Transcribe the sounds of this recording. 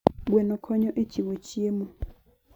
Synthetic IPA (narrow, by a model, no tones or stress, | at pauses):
ɡwɛnɔkʰɔɲɔʔet͡ʃiwot͡ʃiemo